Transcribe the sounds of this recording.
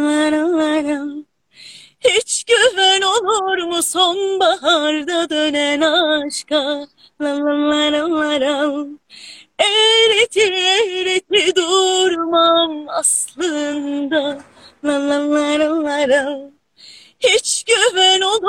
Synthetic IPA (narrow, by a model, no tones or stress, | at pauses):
aɾaaɾan | hit͡ʃɟøvænolˠuɾmusonbaɦaɾd̪ad̪ønɛnaʃka | lananlaɾɯnaɾan | ɛjɾet̪ʰimɛjɾet̪ʰid̪uɾumamaslˠɯnd̪a | lananaɾanaɾan | hit͡ʃɟøvænolˠ